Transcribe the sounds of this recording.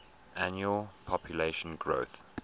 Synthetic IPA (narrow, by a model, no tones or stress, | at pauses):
ʔãnjuəlpʰɔpʰjəleɪʃə̃nɡɹo̰ʊθ